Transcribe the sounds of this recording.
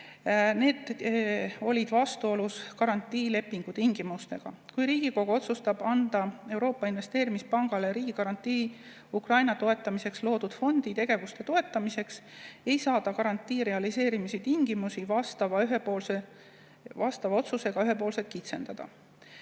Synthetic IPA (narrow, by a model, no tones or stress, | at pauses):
ne̞ːd̪̥ | o̞lʲid̪̥vɑst̪uo̞luskɑɾɑnt̪ːˑiːle̞pːˑiŋɡ̥ut̪iŋɡ̥imust̪e̞ɡ̥ɑ̰kujɾiːɡ̥iko̞ɡ̥uo̞t̪sust̪ɑb̥ɑnd̪̥ɑe̞wɾo̞ːpːˑɑinvest̪e̞ːɾimispɑŋɡ̥ɑleɾiːɡ̥ikɑɾɑnt̪ːiː | ukrɑjnɑt̪o̞e̞t̪ːˑɑmise̞kslo̞ːd̪̥ud̪̥fo̞nd̪̥it̪e̞ɡ̥e̞vust̪e̞t̪o̞e̞t̪ːˑɑmise̞kse̞jsɑːd̪̥ɑkɑɾɑnt̪ːˑiːɾe̞ɑlise̞ːɾimisit̪iŋɡ̥imusivɑst̪ɑvɑyɦepoːlse | vɑst̪ɑvɑo̞t̪suse̞ɡ̥ɑyɦe̞po̞ːlse̞t̪̚kit̪se̞̰nd̪̥ɑd̪̥ɑ̰